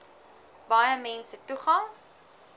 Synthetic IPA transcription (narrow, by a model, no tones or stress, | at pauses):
bɐjəmɛnsətuχɑŋ